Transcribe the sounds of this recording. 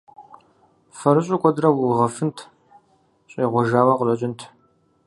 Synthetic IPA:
fɐɾɨɕʼʊkʷʼɔdrɐwʊʁɐfɨntʰ | ɕʼiːʁʷɔʒaːwɐqərʼɐt͡ʃʼɪntʰ

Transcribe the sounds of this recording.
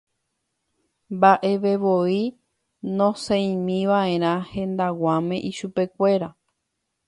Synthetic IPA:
mbaʔe̞ʋeʋoi | nõsẽjĩmĩʋaẽ̞ɾ̃ãhẽ̞nd̪awãmẽ̞ʔiʃupe̞kʷe̞ɾa

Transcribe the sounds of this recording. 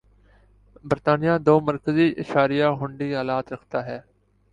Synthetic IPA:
bəɾt̪aːnɪjãːd̪oːməɾkəziːʔɪʃaːɾijaːɦʊ̃ɳɖiːɦaːlaːt̪ɾəkʰt̪aːɦɛː

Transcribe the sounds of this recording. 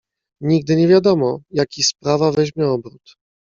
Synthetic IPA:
ɲiɡ̚d̪ɘɲɛvʲjad̪ɔmɔjakʲispɾavavɛʑmʲjɛɔbɾut̪

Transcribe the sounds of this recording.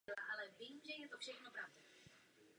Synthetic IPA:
laʔalɛvɪmʒɛjɛt̪ofʃɛxnobɾavt̪u

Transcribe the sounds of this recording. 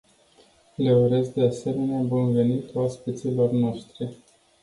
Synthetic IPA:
le̞uɾe̞sk̚d̪e̞ase̞me̞neabunve̞nit̪uaspit̪silo̞rnoʃt̪ɾi

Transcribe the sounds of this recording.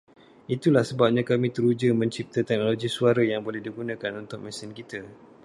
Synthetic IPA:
it̪ulahsəbap̚ɲãkamĩt̪əɾud͡ʒəmə̃ɲt͡ʃip̚t̪at̪ɛk̚noloɡisuaɾajaŋbolɛhdiɡunãkanunt̪ʊk̚mɛ̃sɪnkit̪a

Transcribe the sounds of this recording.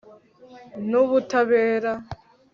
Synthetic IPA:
noβutʰaβeːɾa

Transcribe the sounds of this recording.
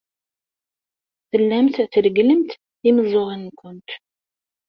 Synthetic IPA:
θəlːæmθθəɾəɡləmt̪ | iməzˤoʁinːkʷːʊnt̪

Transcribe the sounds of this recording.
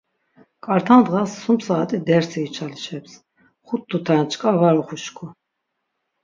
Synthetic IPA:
kʼaɾt̪ʰand̪ʁasːumsaːt̪ʼid̪ɛɾsʰiːt͡ʃʰaliʃʰɛps | χut̪ʰːut̪ʰant͡ʃʰkʼavaɾuχuʃkʰu

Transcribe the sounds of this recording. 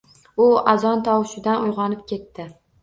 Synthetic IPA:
ʊazɒnt̪ʰɒwʃɪd̪anʊjʁɒnɪpkʲe̞t̪ʰːɪ

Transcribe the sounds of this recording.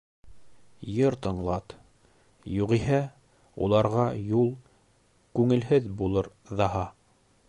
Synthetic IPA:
jɤɾt̪ɤ̆ɴlˠɑt̪ | juʁiɦæ | ṵlˠɑɾʁɑjulˠ | kʉŋɘ̆lɦɘðbulˠɤɾ | ðɑɦɑ

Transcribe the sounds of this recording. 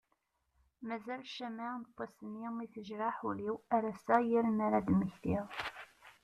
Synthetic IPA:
mæzælʃæmant̪ˤːɑsənːimiθəʒɾaħuliwæɾæsæjiɾnaɾad̪məçθiʁ

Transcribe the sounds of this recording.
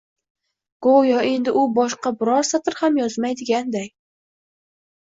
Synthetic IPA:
ɡ̥ojɒe̞nd̪ɪʔʊbɒʃqɑbɪɾɒɾsat̪ʰɪɾhamjɒzmajd̪ɪɡʲand̪aj

